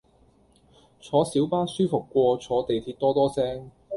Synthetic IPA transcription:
t͡ʃʰɔː˨˥siː˨˥wpaː˥nsyː˥fʊ˨˩kːʷɔː˧t͡ʃʰɔː˨˧t̪e˨jt̪ʰiː˧t̚t̪ɔː˥t̪ɔː˥sɛː˥ŋ

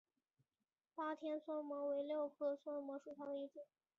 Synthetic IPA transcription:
pa˥t̪ʰjɛ˥nswɔ˥nmwɔ˧˥we˧˥ɪljo˥˩ʊkʰɤ˥˩swa˥nmwɔ˧˥ʂu˨˩t̪ʰɑ˥ʊi˥˩t͡ɕɛ˥˩˦n

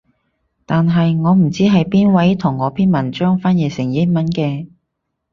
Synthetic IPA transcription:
t̪aː˨nɦɐ˨jŋɔː˨˧m̩˨˩t͡siː˥ɦɐ˨jpiː˥nwɐ˨˥jt̪ʰʊ˨˩ŋːɔː˨˧pʰiː˥nmɐ˨˩nt͡ʃœː˥ŋfaː˥njɛː˨˩sɪ˨˩ŋjɪ˥t̚mɐ˨˥nkɛː˧

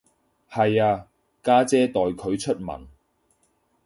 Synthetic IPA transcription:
hɐ˨jaː˧ | kaː˥t͡sɛː˥t̪ɔː˨jkʰɵ˨˧ɥt͡ʃʰɵ˥t̚mɐ̰˨˩n

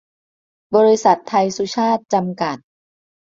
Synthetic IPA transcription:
bɔː˧ɾi˧sa˨˩t̪ʰːa˧jsu˦˥t͡ɕʰaː˥˩t̪̚t͡ɕa˧mka˨˩t̪̚

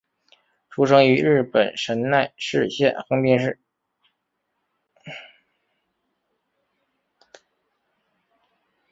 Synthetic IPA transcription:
ʈ͡ʂʰu˥ʂɤ˥ŋy˧˥ɻɻ̩˥˩pə˨˩nʂə˧˥nna˥˧ɪʂɻ̩˥˧ɕjɛ˥˩nxɤ˥ŋpi˥˧nʂɻ̩˥˩

